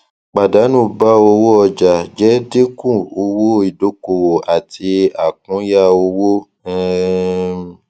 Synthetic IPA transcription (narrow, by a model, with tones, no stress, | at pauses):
k͡pa˨da˨˦nũ˦˨ba˦o˧wo˦ɔ˧˨d͡ʒa˨d͡ʒɛ˨˦de˦kũ˦˨o˧wo˦i˨do˨˦ko˨wo˨a˨ti˧a˨k̚ũ˨˦ja˦˨o˧wo˦ | ɛ˦